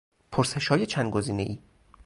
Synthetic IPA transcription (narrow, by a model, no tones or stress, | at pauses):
pʰoɾse̞ʃhɒːje̞t͡ʃʰænd̪ɡo̞ziːne̞ʔiː